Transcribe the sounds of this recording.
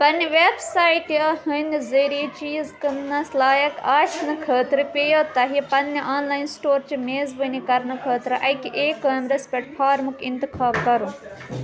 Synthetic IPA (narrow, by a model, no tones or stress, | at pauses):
pɐniʋeːbsaːjiʈɐhɨnizɐːɾiːt͡ʃiːzkɨmnɐslaːjɐkaːʃnɨkʰəːt̪ɾɨpʲejot̪ɐɦipɐnːiʔaːnlaːinsʈoːɾt͡ʃimeːzbɨnikɐɾnɨkʰəːt̪ɾɨʔɐkiʔeːkəːmɾɐspʲeʈpʰaːɾmukint̪ikʰaːlkɐɾũ